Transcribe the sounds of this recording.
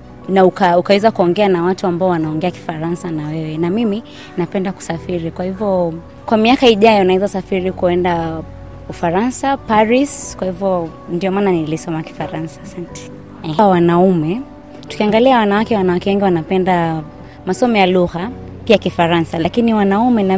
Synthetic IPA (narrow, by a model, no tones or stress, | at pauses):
naukaukawɛzakuɔŋɡɛanawatuambaɔwanaɔŋɡɛaki̥faɾansanawɛwɛnamimi | napɛndaku̥safiɾikwahivjɔ | kwamiakaiʄajɔnaɛzasafiɾikuɛnda | ufaɾansapaɾiskwahivjɔndiɔmananilisɔmaki̥faɾansasantɛ̥ | wanaumɛ | tu̥kiaŋɡaliawanawakɛwanawakɛwɛŋɡiwanapɛnda | masɔmɔjaluɣa | piakifaɾansalakiniwanaumɛna